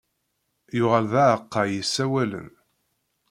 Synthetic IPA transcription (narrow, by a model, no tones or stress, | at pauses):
jʊʁəlðæʕəqːɑjisːæwælə̰n